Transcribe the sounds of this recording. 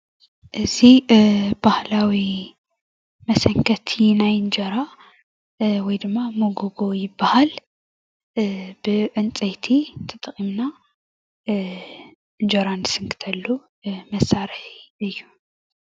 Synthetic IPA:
ʔɨzib̥ahlawi | mɐsɐŋkʰɐt̪ʰinajɨnd͡ʒɐɾa | wɔjd̪ɨmːamoɡoɡojɪbːahal | bɨʕɨnt͡sʼɐjt̪ʰit̪ʰɨt̪ʼɨχʼimna | ɨnd͡ʒoɾand̪ɨsɨŋkʰɨ̥t̪ʰɐlːu | mɐsːaɾɨħiɨjːu

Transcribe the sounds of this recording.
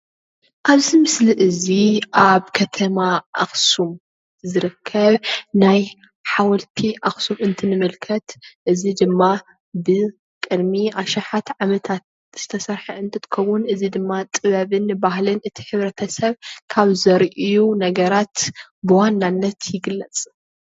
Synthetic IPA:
ʔaβzimɨsliʔɨziʔaβkʰɐt̪ʰɐmaʔaxsum | zɨɾɨkʰːɐβnaj | ħawɔlt̪ʰiʔaxsumɨnt̪ʰɨnɨmɨlkʰɐt̪ʔɨzid̪ɨmːa | bɨ | kʼɨd̪miʔaʃaħat̪ʕamɐt̪ʰat̪̚ | z̥ɨt̪ʰɐsɐɾħɐɨnt̪ʰɨɾɨkʰːɐβunɨzid̪ɨmːat̪ʼɨβɐβɨnbahlɨnʔɨt̪ʰi̥ħɨβɾɐt̪ʰɐsɐβkʰaβzɐɾʔijunɐɡɐɾat̪bɨwanːanːɐt̪ʰjɪɡɨlːɐt͡sʼ

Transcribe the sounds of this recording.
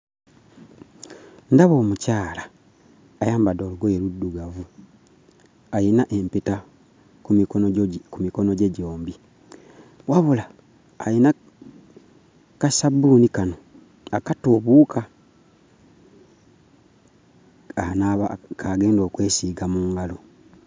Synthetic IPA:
ndaβo̞ːmucaːlaː | jaːmbado̞ːluɡojeludːuɡavu | ajinaʔempita | ku | kumiko̞noɟeɟo̞ːmbi | waβulaː | jina | kasabunikano | akatoβuːkʰa | anakaɡe̞ːndo̞ːkwe̞ːsiːɡamuːŋɡalo

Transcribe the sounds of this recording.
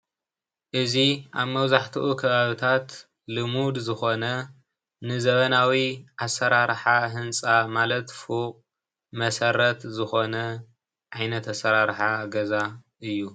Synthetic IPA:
ʔɨziʔa̰βmɐβzaħt̪ʰɨʔukʰɐβaβɨt̪ʰat̪ | lɨmud̪zɨxo̞nɐ | nɨzɐβɐnawiʔasːɐɾaɾħaɦɨnt͡sʼamalɐt̪fuqʼ | mɐsɐɾɐt̪zɨxo̞nɐ | ʕajnɐt̪ɐsɐɾaɾħaɡɐzaʔɨjːu

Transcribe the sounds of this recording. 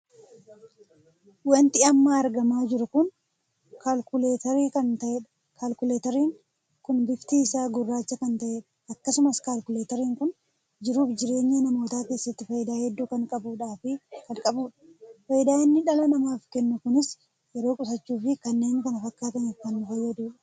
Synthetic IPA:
wɐnt̪ɪɐmːaːɾɡɐmaːd͡ʒɪɾʊkʊn | kalkʊleːt̪ɐɾiːkɐnt̪ɐʔɛᶑ | kʰaːlkʊleːt̪ɛɾiːŋ | kʊnbɪkt̪iːɪsaːɡʊrːaːt͡ʃːɐkɐnt̪ɐʔɛ | ɐkːɐsʊmɐskaːlkʊleːt̪ɐɾiːŋkʊn | d͡ʒɪɾuːfd͡ʒɪɾe̞ːɲːɐnɐmo̞ːt̪aːke̞ːsːɐt̪ːɪfɐjɪd̪aːhɛd̪ːuːkɐŋkʼɐbuːᶑaːfɪkɐŋkʼɐbuːᶑɐ̥fɐjɪd̪aːɪnːɪᶑɐlɐnɐmaːfkɛnːʊkʊnɪs | jɛɾo̞ːkʼʊsɐt͡ʃːuːfɪkɐnːe̞ːɲːɪkɐnɐfɐkːaːt̪ɐnɪkɐnːʊhɐjːɐd̪uːᶑɐ̥

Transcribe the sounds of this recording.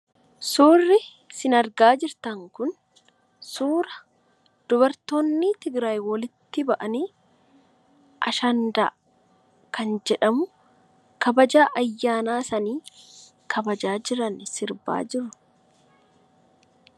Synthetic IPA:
suːrːɪ | sɪnɐɾɡaːd͡ʒɪɾt̪ɐŋkʊn | suːɾɐ | d̪̥ʊbɐɾt̪oːnːɪt̪ɪɡɾaːjwɔlɪt̪ːɪbɐʔɐniː | ʔɐ̰ʃɐnd̪aː | kɐnd͡ʒɛᶑɐmʊ | kɐbɐd͡ʒaːʔɐjːaːnaːsɐniː | kʰɐbɐd͡ʒaːd͡ʒɪɾɐnsɪɾba̰ːd͡ʒɪɾːʊ̥

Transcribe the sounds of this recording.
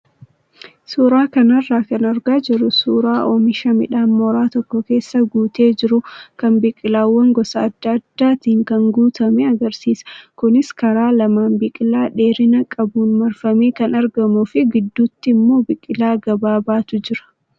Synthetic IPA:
suːɾaːkɐnɐrːaːkɐnɐɾɡaːd͡ʒɪɾʊsuːɾaːʔɔːmɪʃɐmɪ̰ᶑaːnmɔɾaːt̪ɔkːɔke̞ːsːɐɡuːt̪e̞ːd͡ʒɪɾʊkɐmbɪkʼɪlaːwːɐŋɡɔsɐːd̪ːɐɐd̪̥ːaːt̪iːŋkɐŋɡuːt̪ɐmɛɐɡɐɾsiːsɐ̥kʊnɪskɐɾaːlɐmaːnbɪkʼɪlaːᶑe̞ːɾɪnɐkʼɐbuːnmɐɾfɐmiːkɐnɐɾɡɐmʊfɪɡɪd̪ːuːt̪ːɪmːo̞ːbɪkʼɪlaːɡɐbaːbaːt̪ʊd͡ʒɪɾɐ̥

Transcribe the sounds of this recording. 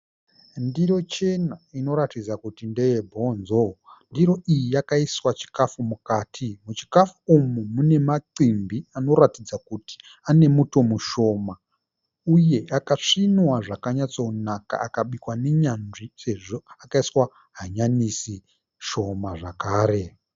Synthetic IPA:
ndiɾo̞t͡ʃe̞naino̞ɾatid͡zakutinde̞je̞bʱo̞ːnzondiɾo̞ʔijijakaiswat͡ʃi̥kafumukaːtʰimut͡ʃi̥kafuumumune̞maǀimbiano̞ratid͡zakuti̥ | ane̞muto̞muʃo̞ma | uje̞akaʂinwaʐakaɲat͡sounaka̰akaɓikwane̞ɲanʐise̞ʐo̞akaiswa | ɦaɲanisi | ʃo̞maʐakaːɾe̞

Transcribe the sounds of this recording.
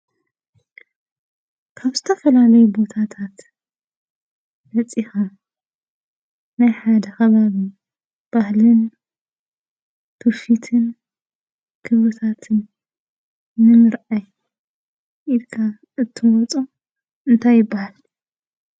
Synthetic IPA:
kʰaβzɨt̪ʰɐfɐlalɐjubo̞t̪ʰat̪ʰat̪ | dɐt͡sʼixa | najħad̪ɐxɐβaβi | b̥ahlɨn | t̪ʰuʃit̪ʰɨn | kʰɨβɨt̪ʰat̪ʰɨn | ɨmɨɾaj | ʔilkʰa | ɨt̪ʰːɨwɔt͡sʼo | ɨnt̪ʰajːɪbːahal

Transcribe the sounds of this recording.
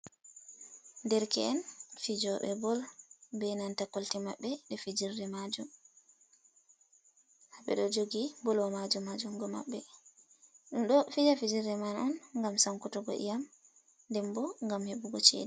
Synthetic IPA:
ndɛɾkɛɛnfid͡ʒɔɓɛ̰bɔlbɛnantakoltimaɓːɛɗɛfid͡ʒiɾdɛmad͡ʒum | haɓɛ̰ɗɔd͡ʒoɡibɔlɔmad͡ʒumad͡ʒumɡɔma̰ɓːɛ | ɗumɗɔfid͡ʒafid͡ʒiɾdɛmanɔnŋɡamsaŋkutɔɡɔ̰ʔḭjam | ndɛmbɔŋɡamheɓuɡɔt͡ʃḛdi

